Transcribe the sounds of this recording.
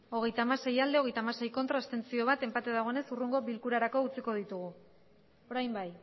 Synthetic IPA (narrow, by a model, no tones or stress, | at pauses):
o̞ɣ̞e̞jt̪amase̞jald̪e̞o̞ɣ̞e̞jt̪amase̞jko̞nt̪ɾast̪e̞nt͡sio̞β̞at̪e̞mpat̪eðaɣ̞o̞ene̞suruŋɡo̞βilkuɾaɾako̞ut͡siko̞ð̞it̪uɣ̞u | o̞ɾajmbaj